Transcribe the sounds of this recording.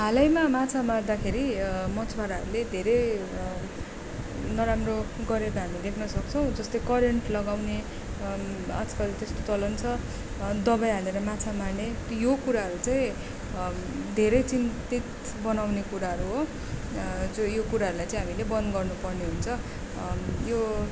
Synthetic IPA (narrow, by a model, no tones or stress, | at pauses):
ɦalʌjmamat͡sʰamard̪akʰeɾimʌt͡sʰbaɾaɦʌɾuled̪ʱeɾʌj | nʌɾamro | ɡʌɾekʌɦamid̪ekʰnʌsʌk̚t͡sʰʌ̃w̃d͡zʌst̪ojkʌɾeɳʈlʌɡawne | a̰d͡zkʌt̪est̪ot͡sʌlʌnt͡sʰʌ | d̪ʌbajɦaleɾʌmat͡sʰamarnet̪jokuɾaɦʌɾut͡saĩ | d̪ʱeɾʌjt͡sint̪it̪ | bʌnawnekuɾaɦʌɾuɦo | d͡zojokuɾaɦʌɾulajt͡sãij̃ɦamilebʌnd̪ɡʌrnupʌrneɦunt͡sʰʌ | jo